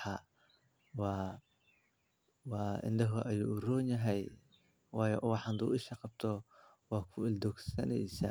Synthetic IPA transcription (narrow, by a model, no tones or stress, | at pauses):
ħɑ | wɑ | wɑːɪ̰nd̪ɐɦʊʔɐjṵːrɔːnjɐɦɛj | wɑːjɔʔʊwɑħɑnd̪ṵʔɪʃɐqɑb̚t̪ʰɔ | wɑːkʰʊɪld̪ɔɡsɐ̰nɛ̰jsa̰